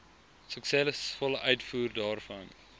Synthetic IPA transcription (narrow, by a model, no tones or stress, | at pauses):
səksɛləsfɔləʔœɥtfuːrdɑːrfɐn